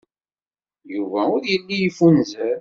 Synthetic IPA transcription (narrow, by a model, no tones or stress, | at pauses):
juvæʊɾjəlːijəfunzəɾ